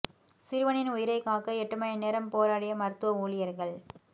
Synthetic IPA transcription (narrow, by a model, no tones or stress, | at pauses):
sɪɾɯʋɐnɪnʊjɪɾɐɪkːaːkɐɛʈːɐmɐjɐneːɾɐmpoːɾaːɽɪjɐmɐɾɯt̪ːɯʋɐuːɭɪjɐɾɣɐɭ